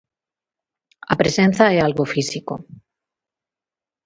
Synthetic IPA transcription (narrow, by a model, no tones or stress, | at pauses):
a̰pɾesen̟θaɛalɣofisiko